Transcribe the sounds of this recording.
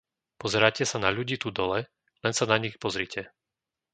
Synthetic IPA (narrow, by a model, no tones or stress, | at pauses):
pɔzɛɾaːcɛsanaʎuɟiːt̪ud̪ɔlɛ | lɛnsanaɲixpɔzɾicʰɛ